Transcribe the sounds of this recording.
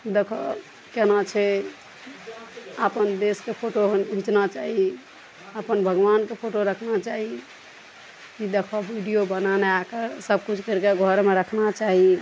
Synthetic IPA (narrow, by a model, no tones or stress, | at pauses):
d̪ekʰɔ | kenat͡ʃʰɛ | əpənd̪eskepʰoʈoɦĩt͡ʃnat͡ʃaɦi | əpənbʱəɡʋankepʰoʈoɾəkʰnat͡ʃaɦi | kid̪ekʰɔbʱiɖijobənaneakesəb̚kut͡ʃʰkəɾkeɡʱɔɾmeɾəkʰnat͡ʃaɦi